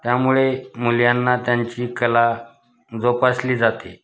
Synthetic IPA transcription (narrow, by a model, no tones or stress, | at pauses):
t̪jamuɭemuljanːat̪jaɲt͡ɕiːkəla | d͡zopasliːd͡zat̪e